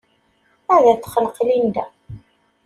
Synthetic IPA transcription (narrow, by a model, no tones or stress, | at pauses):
æðæt͡sːχəlqlind̪æ